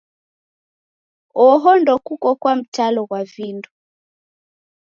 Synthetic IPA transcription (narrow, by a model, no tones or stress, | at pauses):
ɔɦɔndɔkukɔkwam̩talɔɣwavindu